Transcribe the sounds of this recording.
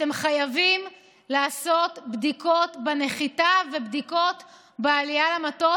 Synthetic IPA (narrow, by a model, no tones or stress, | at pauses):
temχajavim | laːso̞t̪bdiko̞t̪bene̞χitave̞bd̪iko̞t̪ | bealijalamat̪o